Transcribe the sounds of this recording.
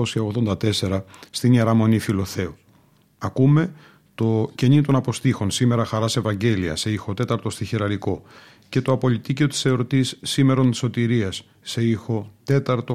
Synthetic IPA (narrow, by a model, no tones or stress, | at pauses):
osiɐoɣðo̞nd̪ɐt̪e̞se̞ɾɐst̪iɲeɾɐmo̞nifilo̞θe̞u | ɐkume̞ | t̪o̞ce̞ɲit̪o̞nɐpo̞st̪ixo̞nsime̞ɾɐxɐɾɐse̞vɐɲɟe̞liɐ̰se̞ixo̞t̪e̞t̪ɐɾt̪o̞st̪içeɾɐɾiko̞ | ce̞t̪o̞ɐpo̞lit̪iceot̪i̥seɾo̞t̪isːime̞ɾo̞nt̪i̥so̞t̪iɾiɐsː | e̞ixo̞t̪e̞t̪ɐɾt̪o̞